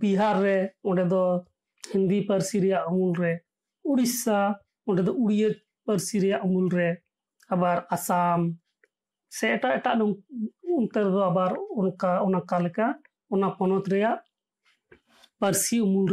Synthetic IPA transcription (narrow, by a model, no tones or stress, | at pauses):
biɦaɾːɛɔɖɛd̪ɔ | hɛnd̪ipəɾsiɾɛjaʔumulɾɛ | uɽisa | ɔɖɛd̪ɔʔuɽijət͡ʃ̚ | pəɾsiɾɛjaʔumulɾɛ | abaɾasam | sɛɛʈaʔɛʈa̰ʔnɔmunt̪ɛɾɛd̪ɔabaɾɔnkaɔnakalɛka | ɔnakɔnɔt̪ɾɛjaʔ | pəɾsiumulɾɛ